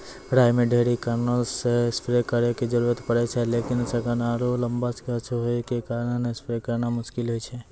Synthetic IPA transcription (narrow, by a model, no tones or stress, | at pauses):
pɾaːjmẽɖʱeːɽikəɾnəlsespɾekəɾeked͡ʒəɾuːɾət̪pəɽet͡ʃʰɛleːkɪnsəkənaːɾolə̃mbaskeət͡ʃʰuɦoikekaːɾənnespɾekəɾnamʊʃkɪlɦoit͡ʃʰɛ